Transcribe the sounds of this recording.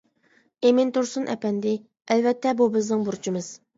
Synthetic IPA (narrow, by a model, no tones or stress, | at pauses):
emɪnt̪uɾsunʔɛ̰pɛnd̪ɪ | ælvɛt̪ʰːɛbubɪznɪŋbuɾt͡ʃʰimɨz̥